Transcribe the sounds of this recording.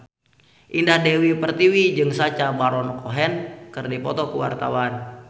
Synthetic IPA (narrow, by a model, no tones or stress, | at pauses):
ʔindahdewipərt̪iwid͡ʒɨŋsat͡ʃabaɾɔnkɔɦɛnkɨrdipɔt̪ɔkəwa̰rt̪a̰wan